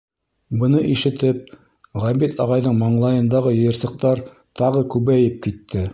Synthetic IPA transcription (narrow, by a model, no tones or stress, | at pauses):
bɤ̆nɤʔiʃɘ̆t̪ɘp̚ | ʁæmit̪ʰɑʁɑjðɤɴmɑɴlˠɑjɤ̆nd̪ɑʁɤjɤ̆jɤ̆ɾsɤ̆q̚t̪ɑɾ | t̪ɑʁɤkʉβæjɘp̚kit̪ːɘ